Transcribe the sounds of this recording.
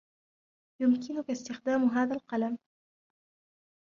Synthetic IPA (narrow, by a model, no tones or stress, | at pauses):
jʊmkɪnʊkast̪ɪxd̪aːmɦaːðalqɑlam